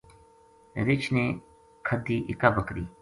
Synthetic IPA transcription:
ɾɪt͡ʃʰneː | kʰəd̪iːʔɪkaːbəkɾiː

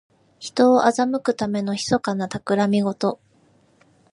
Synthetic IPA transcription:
çi̥t̪o̞ːʔazamɯ̟kɯ̟t̪ame̞no̞çi̥so̞kanat̪akɯ̟ɾamʲiɡo̞t̪o̞

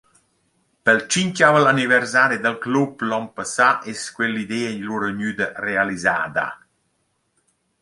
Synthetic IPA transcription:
pəlt͡ʃincavəlanivɛɾsaːɾid̪əlkluplɔmpəsaʔeskwɛlid̪eːɲluɾəɲyd̪ərealiza̰ːd̪a̰

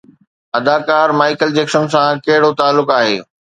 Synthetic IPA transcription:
ɐd̪aːkaːɾmaːɪkəld͡ʑeːksənsãkɐɦɪɽot̪aːlːʊkaːɦeː

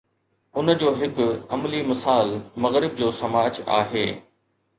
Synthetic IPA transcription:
ʊnəd͡ʑoːɦɪk̆ɐmlimɪsaːlmɐɣɾɪb̚d͡ʑoːsɐmaːd͡ʑa̰ːɦeː

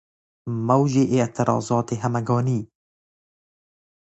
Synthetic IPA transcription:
mɐwʒeːʔɪʔt̪ʰɪɾɑ̰ːzɑːt̪eːɦɐmɛɡɑːniː

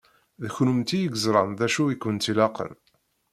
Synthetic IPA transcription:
ðəçnumt̪ijəɡəzɾˤɑnðæʃuikːənt̪ilɑqə̰n

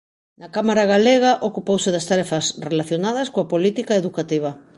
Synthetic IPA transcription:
nakamaɾaɣaleɣaʔokupowseɪðast̪aɾɛfasrelaθjonað̞ɐskoapolit̪ikaeðukat̪iβ̞a

